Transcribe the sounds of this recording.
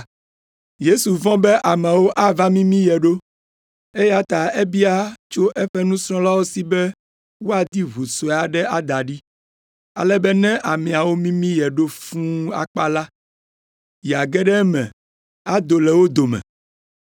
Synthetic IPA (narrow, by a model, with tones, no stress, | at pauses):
je˦su˨vɔ̃˦bɛ˦ʔa˨mɛ̃˨wo˦ʔa˦va˦mĩ˦mĩ˦jɛ˨ɖo˦ | e˦ja˦t̪a˨e˦bi˦a˦t͡ʃo˦ʔɛ˦ɸɛ˦nũ˦sɾ̃ɔ̃˦la˦wo˦si˦bɛ˦ | wo˦a˨d̪i˦βu˨so˨e˨a˨ɖɛ˦a˦d̪a˨ɖi˦ | a̰˨lɛ˦bɛ˦nɛ̃˦ʔa˨mĩ˨a˨wo˦mĩ˦mĩ˦jɛ˨ɖo˦fũ˦a̰˨k͡pa˦la˦ | ja˨ɡɛ˦ɖɛ˦mɛ̰̃˨ | a˦d̪o˨lɛ˨wo˦d̪o˨mɛ̰̃˨